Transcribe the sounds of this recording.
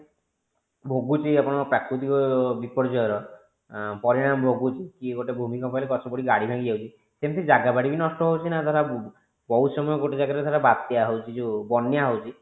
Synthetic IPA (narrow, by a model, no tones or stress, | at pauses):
bʱoɡut͡ʃiapɔɽ̃ɔpɾakɾut̪̬ikɔbipɔɾd͡ʒɔjɔɾɔ | pɔɾiɽ̃amɔbʱoɡut͡ʃʰikiɡoʈebʱumikɔmpanilekɔtʰɔbɔɽiɡaɽibʱãɡid͡ʒawt͡ʃʰi | semit̪ʰid͡ʒaɡabaɽibinɔsʈɔɦowt͡ʃʰinad̪ʱaɾa | bɔwsɔmɔjɔɡoʈed͡ʒaɡaɾed̪ʱaɾabat̪jaɦowt͡ʃʰid͡ʒubɔnjaɦowt͡ʃʰi